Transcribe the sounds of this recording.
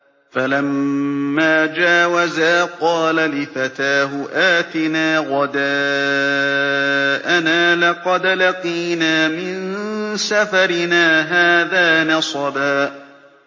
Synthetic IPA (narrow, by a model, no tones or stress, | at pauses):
falamː | aːd͡ʒaːwazaːqɑːlalɪfat̪aːɦʊʔaːt̪ɪnaːɣɑd̪aː | ʔanaːlɑqɑd̪laqiːnaːmɪnsafɑɾɪnaːɦaːðaːnɑsˤɑbaːʔ